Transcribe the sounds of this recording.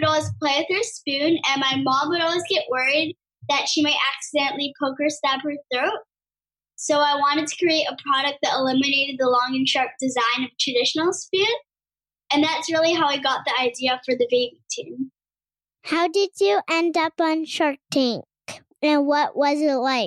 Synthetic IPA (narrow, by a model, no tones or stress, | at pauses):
ɾɔlwiz̥pʰl̥eɪwɨð̥hə˞spʉ̃nɨ̃nmaɪmɑ̃bəɾɔlˠwizɡɛʔwɜ˞id̪̚ | ðɨtʃimaɪɾʔæksɨdɛ̃nʔlipʰoʊkə˞stæphə˞θɹoʊt̚ | soʊaɪwɑ̃ɾ̃ɨd̚tʰɨ̥kʰɹ̥ieɪɾəpʰɹ̥ɑɾɨk̚t̚ðɨɾəlɪ̃mɨneɪɾɨd̪̚ðəlɔ̃ŋɨ̃nʃʰɑɹk̚d̥ɨzãɪ̃nʌv̥tʰɹ̥ɨdɪʃn̩l̩ˠspʉ̃n | ɨ̃nðætsɹɪlˠiɦaʊiɡɑt̪̚ðiaɪdiɨfə˞ðɨveɪbitʰʉ̰̃n | haʊdɪd͡ʒɨʔɛ̃ndʌpn̩ʃɔɹtʰɪ̃ŋk | ɨ̃wʌʔwʌzɪtˡlaɪk